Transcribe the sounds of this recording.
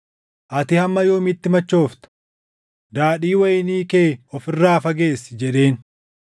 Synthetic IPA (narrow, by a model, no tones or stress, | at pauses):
ʔɐt̪ɪhɐmːɐjoːmɪt̪ːɪmɐt͡ʃːo̞ːft̪ɐ̥ | d̪aːᶑiːwɐjniːkeːɔfɪrːaːfɐɡe̞ːsːɪd͡ʒɛᶑe̞ːn